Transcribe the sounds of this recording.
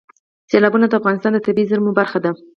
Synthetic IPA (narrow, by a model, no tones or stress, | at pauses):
selɑbunad̪əafɣɑnɪst̪ɑnd̪ət̪abiizəɾmobaɾxad̪a